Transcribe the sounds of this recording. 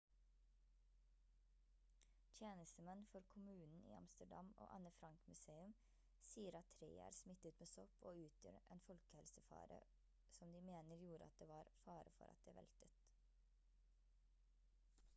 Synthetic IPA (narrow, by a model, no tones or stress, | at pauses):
t̪ʰjeːnəst̪əmɛnfɔɾkʰʊmʉːnn̩ḭːɑ̰mst̪əɖɑ̰mo̰ːʔɑnəfɾɑŋkmʉseːʉm | siːəɾɑt̪ʰɾeːæ̰ːɾsmɪt̪ət̪meːsɔpʰoːʉːt̪ʰjø̰ɾʔeːnfɔlkəhɛlsəfɑ̰ːɾə̰ | sɔmd̪iːmeːnəɾjuːɾəɑt̪̚d̪eːʋɑːɾfɑːɾəfɔ̰ɾʔɑ̰t̪̚d̪eːʋɛ̰lt̪ət̪